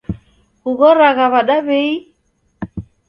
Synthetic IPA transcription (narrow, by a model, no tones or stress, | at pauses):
ɣuɣɔɾaɣaβaɗaβɛi